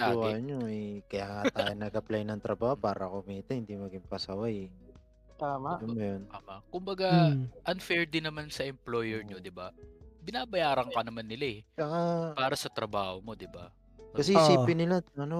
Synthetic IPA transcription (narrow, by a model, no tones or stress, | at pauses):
aʊwaɲoɛkɐjaːŋat̪aaːjonɐɡɐplajnɐŋt̪ɾɐbaːhopaːɾɐkʊmiːt̪ɛhɪnd̪imɐɡɪŋpɐsɐwaj | t̪aːmaʔomːɐjonaːmakʊmbɐɡaʔɐnfɛɹd̪ɪnɐmansɐʔɛmplo̞ːjɛɹɲod̪ɪbabɪnaːbɐjaːɾɐŋkɐnɐmanːɪlaɛt͡ʃɐŋapaːɾɐsɐt̪ɾɐbaːho̞mo̞d̪ɪba̰ | kɐs̬ɛhsiːpɪnɪlaɐno